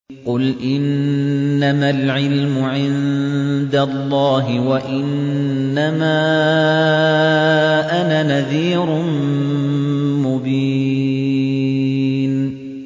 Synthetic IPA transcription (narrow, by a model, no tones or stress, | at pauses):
qʊlʔɪnː | amalʕɪlmʊʕɪnd̪alˤːɑːɦɪwaʔɪnː | amaː | ʔanaːnaðiːɾʊ | mʊbiː | n